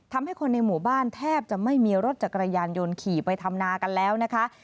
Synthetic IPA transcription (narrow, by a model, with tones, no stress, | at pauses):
t̪ʰa˧mha˥˩jkʰo˧nːa˧jmuː˨˩˦baː˥˩nt̪ʰɛː˥˩p̚t͡ɕa˨˩ma˥˩jmiː˧ɾo˦˥t̪̚t͡ɕa˨˩kːɾa˧jaː˧njo˧nkʰiː˨˩pa˧jt̪ʰa˧mnaː˧ka˧nlɛː˦˥wna˦˥kʰa˦˥ʔ